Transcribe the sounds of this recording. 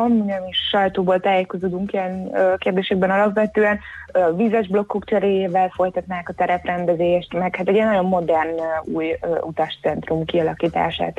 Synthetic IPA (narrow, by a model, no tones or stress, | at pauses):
ɒmuɲɛmiʃʃɒjt̪oːboːlt̪aːjeko̞zoːd̪uŋkiɛnːkeːrd̪eːʃɛɡ̚bɛnɒlɒpʋɛt̪øːɛnvizɛʒblo̞kːokt͡ʃɛɾeːjeːvɛlfo̞jt̪ɒt̪naːkɒt̪ɛɾɛprɛnd̪ɛzeːʃt̪mɛkhat̪ɛɟiɛnːɒɟo̞mːo̞d̪ɛrnuːjut̪ɒʃt̪sɛnt̪rumkiɒlɒkiːt̪a̰ːʃa̰ːt̪